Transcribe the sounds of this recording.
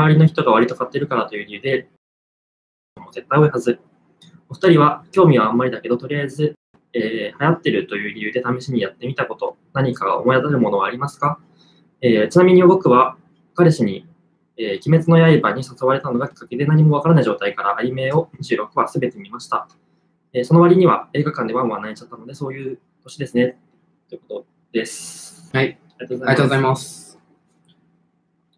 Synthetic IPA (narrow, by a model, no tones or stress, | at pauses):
aβaɾʲino̞çi̥t̪o̞ɡaβ̞aɾʲit̪o̞kat̪ːe̞ɾɯ̟kaɾat̪o̞jɯ̟ːɾʲijɯ̟ːd̪e̞ | omoze̞p̪ːaio̞ihazɨ | o̞ɸɯ̟t̪aɾʲiβakʲo̞ːmʲiβaːmːaɾʲid̪ake̞d̪o̞t̪o̞ɾʲijaizɨ | eːhajat̪ːe̞ɾɯ̟t̪o̞jɯ̟ːɾʲijɯ̟ːd̪e̞t̪ame̞ɕiɲ̟ijat̪ːe̞mʲit̪ako̞t̪o̞ | naɲ̟ikaɡa̰omo̞jat̪aɾɯ̟mo̞no̞ɡaːɾʲimasɨ̥ka | eːt͡ɕɨnamʲiɲ̟ioɡo̞kɯ̟βa | kaɾɯɕiɲ̟i | eːkʲime̞t͡sɨno̞jaibaɲ̟isasoβaɾe̞t̪ano̞ɡakʲi̥kːake̞d̪e̞naɲ̟imo̞βakaɾanaiʑo̞ːt̪aikaɾaʔaime̞ːo̞ɲ̟iʑɨːɾo̞kɯ̟βasɨbe̞t̪e̞mʲimaɕi̥t̪a | eso̞no̞βaɾʲiɲ̟iβa̰e̞ːɡakãnd̪e̞βãɰ̃anait͡ɕat̪ːano̞d̪e̞so̞ːjɯ̟ː | t̪o̞ɕid̪e̞sɨne̞ | oiɯko̞t̪o̞ | d̪̥e̞sɨ̥ | ɾat̪oːɡozaaozaimas